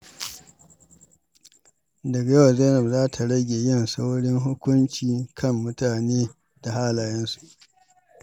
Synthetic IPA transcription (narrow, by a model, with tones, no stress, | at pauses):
dɐ˨ɡa˨ja˦wa˨zeː˦lɐ˨bzaː˦tʰa˨ɽɐ˦ɡʲeː˨jɪ˦nsa˦wɽɪ˦ŋɦʊ˦kʷʊ˦nt͡ʃiː˨kʰɐ˦mːʊ˦taː˨neː˦ | da˨ɦaː˦laː˨jɛ˦nsu̥˨ʔ